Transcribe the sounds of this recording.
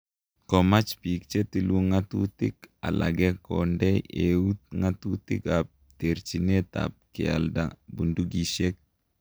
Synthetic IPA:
kɔmat͡ʃpik̚t͡ʃetiluŋatutɪka̰la̰ɡɛkɔndɛeut̚ŋatutikap̚ | teɾt͡ʃineta̰p̚kɪa̰ldabunduɡiʃek̚

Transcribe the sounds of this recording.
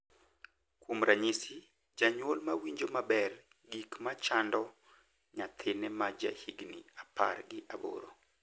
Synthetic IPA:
kwomɾaɲisi | d͡ʒaɲwolmawiɲd͡ʒomabɛr | ɡikmat͡ʃandɔ | ɲat̪ʰɪnɛmad͡ʒa̰hiɡniapa̰rɡɪʔabo̰ɾo̰

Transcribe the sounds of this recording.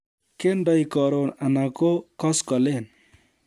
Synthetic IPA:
kenɖɔjkɔɾonanakokɔskɔlen

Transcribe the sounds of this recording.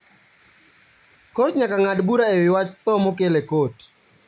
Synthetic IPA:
kotɲakaŋadbuɾaewɪwat͡ʃt̪ɔmokelekot

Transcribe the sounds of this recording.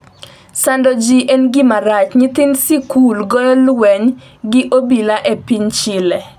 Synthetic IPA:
sandɔd͡ʒiʔɛnɡɪmaɾat͡ʃɲɪt̪insikulɡɔlwɛɲ | ɡɪʔobilaʔɛpiɲt͡ʃɪlɛ

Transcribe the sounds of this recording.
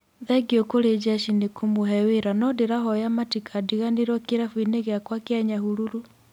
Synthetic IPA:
ðɛɡjokoɾed͡ʒaʃinekʰomoɦɛweɾanɔdeɾaɦɔjamatikʰadiɣaneɾwɔkeɾafwineɣeakwakaɲahuɾuɾu

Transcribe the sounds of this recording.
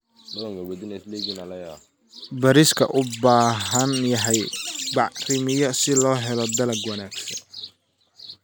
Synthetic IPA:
dɐlɐŋkɐwɛd̪ɪnɛsliɡɪnɐlɐjaː | bɐɾɪskʰɐ̰ʔʊbaːɦɐnjɐɦɛjbɑʕrɪmɪjɐsɪlɔːɦɛlɔd̪ɐlɐɡwɐnaːɡsɐ̰n

